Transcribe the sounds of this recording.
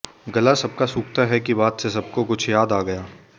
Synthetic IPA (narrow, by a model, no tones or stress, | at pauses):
ɡɐlasɐb̚kasuːkt̪aɦɛkibaːt̪ses̬ɐb̚kokʊt͡ʃʰjaːd̪aːɡɐjaː